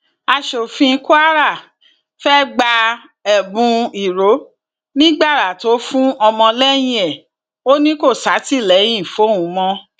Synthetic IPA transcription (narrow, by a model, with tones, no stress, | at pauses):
a˧ʃo˨fĩ˧ku˦a˦ɾa˦˨ | fɛ˦ɡ͡ba˧ | ɛ˨bũ˧i˨ɾo˨˦ | nĩ˦ɡ͡ba˦˨ɾa˨to˨˦fũ˦ɔ˧mɔ̃˧lɛ˦j̃ĩ˧˦ɛ˨ | o˦nĩ˦ko˦˨sa˨˦ti˦˨lɛ˨˦j̃ĩ˦˨fo˨˦˨wũ˨˦mɔ̃˧